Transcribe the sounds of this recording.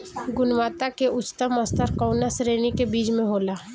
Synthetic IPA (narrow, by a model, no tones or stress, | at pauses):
ɡʊnwaːt̪akeʊt͡ʃt̪əməst̪əɾkɔʊnasɾeːnikebiːt͡ʃmẽɦoːlaː